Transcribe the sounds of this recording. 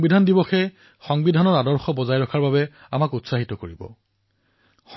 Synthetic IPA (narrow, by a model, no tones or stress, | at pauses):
bidʱandibɔxɛ | xɔŋbidʱanɔɹadɔɹxɔbɔzajɹɔkʰaɹbabɛ | a̰makutsaɦitɔkoɹibɔ̰ | x